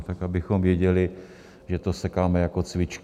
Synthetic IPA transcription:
t̪akabɪxomvjɛɟɛlɪ | ʒɛt̪osɛkaːmɛjakot͡svɪt͡ʃk

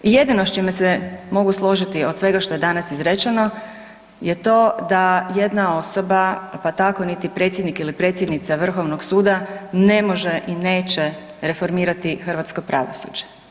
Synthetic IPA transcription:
ije̞d̪inot͡ʃimesɛmo̞ɡuslˠo̞ʒit̪io̞d̪sʋe̞ɡaʃt̪o̞je̞d̪anasizɾet͡ʃeno̞ | jet̪o̞ːd̪aje̞d̪nao̞sobapat̪ako̞nit̪ipɾe̞ːt̪sjd̪nikilipɾet̪sjed̪nit̪saʋr̩xo̞ʋnoɡsuːd̪ane̞mo̞ʒeʔine̞ːt͡ʃe | ɾe̞fo̞ɾmiːɾat̪ixr̩ʋat̪sko̞pɾʔa̰ʋosṵd͡ʒe̥

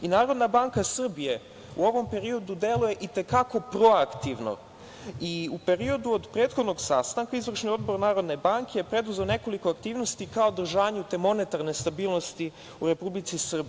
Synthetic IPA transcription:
inaːɾo̞d̪nabaːŋkasr̩bije̞ | ṵo̞ʋo̞mpe̞ɾio̞d̪ud̪e̞lˠuje̞ʔit̪e̞kako̞pɾo̞akt̪iʋno̞̰ | iupe̞ɾio̞d̪uod̪pɾe̞ːt̪xo̞d̪no̞ɡsast̪aŋkaizʋr̩ʃnio̞d̪̚bo̞ɾnaːɾo̞d̪ne̞baŋkejepɾe̞d̪uze̞one̞ko̞likoakt̪iːʋno̞st̪ikaod̪r̩ʒaːɲut̪e̞mo̞ne̞t̪aɾne̞st̪abiːlˠno̞st̪i | uɾe̞publit̪sisr̩bi

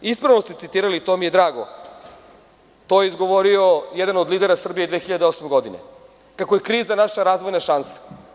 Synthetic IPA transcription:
ispɾaʋnost̪et̪it̪iːɾalit̪omijed̪ɾaːɡo̰ | t̪ojeizɡo̞ʋoɾiojɛd̪anod̪liːd̪eɾasr̩bijed̪ʋeːxiʎad̪eo̞smeɡo̞d̪inḛ | kakojekɾiːzanaʃaɾaːzʋojnaʃansḁ

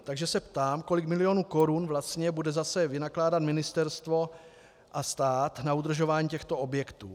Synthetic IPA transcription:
t̪aɡʒɛsɛpt̪aːmko̞lɪkmɪlɪjo̞ːnuːko̞ɾunvlast̪ɲɛbudɛzasɛvɪnaklaːdat̪mɪnɪst̪ɛɾst̪vo̞ | ʔast̪aːt̪naud̪r̩ʒo̞vaːɲicɛxt̪o̞o̞bjɛkt̪ṵː

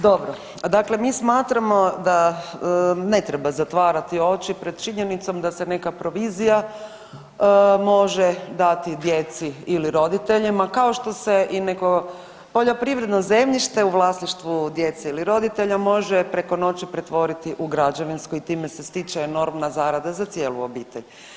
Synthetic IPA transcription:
d̪o̞bɾo | d̪akle̞mismaːt̪ɾamo̞d̪a | ne̞t̪ɾebazat̪ʋaːɾat̪io̞t͡ʃipɾe̞d̪̥̚t͡ʃiɲenit̪so̞md̪ase̞ne̞kapɾo̞ʋiːzija | mo̞ʒed̪at̪id̪je̞t̪siiliɾo̞d̪it̪e̞ʎimakao̞ʃt̪o̞seʔineko | po̞ʎo̞pɾiʋɾe̞d̪noze̞mʎiʃt̪e̞uʋlˠasniʃt̪ʋud̪je̞t̪seiliɾo̞d̪it̪e̞ʎamo̞ʒepɾeko̞no̞t͡ʃipɾet̪ʋo̞ɾit̪iʔuɡɾad͡ʒaʋinskoit̪iːmesest̪it͡ʃeno̞ɾmnazaːɾad̪azat̪sjeːlṵobiːt̪eʎ

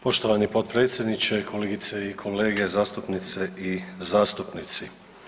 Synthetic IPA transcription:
poʃt̪oʋanipo̞t̪̚pɾeːt̪sʲjed̪nit͡ʃe̞kʰo̞leɡit̪seikʰo̞le̞ːɡezaːst̪upnit̪seizaːst̪upnit̪si

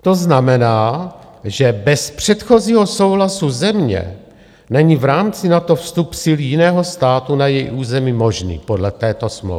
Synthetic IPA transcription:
t̪o̞znamɛnaː | ʒɛbɛspr̝̥ɛt̪xo̞ziːɦo̞so̞wɦlasuzɛmɲɛ̰ | nɛɲivɾaːmt͡sɪnat̪o̞fst̪upsɪljɪnɛːɦo̞st̪aːt̪unajɛjʔuːzɛmimo̞ʒnḭːpo̞dlɛt̪ɛːt̪o̞smlo̰

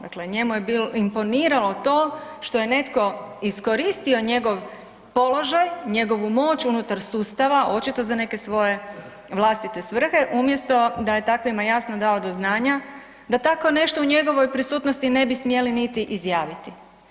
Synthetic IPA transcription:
d̪a̰kleɲe̞mujebiloimpo̞niːɾalo̞t̪o̞ːʃt̪oje̞ne̞t̪ko̞isko̞ɾist̪io̞ɲe̞ɡo̞ʋ | po̞lo̞ʒajɲe̞ɡo̞ʋumo̞t͡ɕunut̪aɾsuːst̪aʋaʔo̞t͡ʃit̪o̞zane̞ke̞sʋo̞je̞ | ʋlˠast̪it̪e̞sʋr̩xe̞ʔumje̞st̪o̞d̪aje̞t̪akʋimajasnod̪ao̞d̪oznaːɲa | d̪at̪ako̞ne̞ʃt̪ouɲe̞ɡo̞ʋo̞jpɾisuːt̪nost̪ine̞bismje̞linit̪iʔizjaːʋit̪i

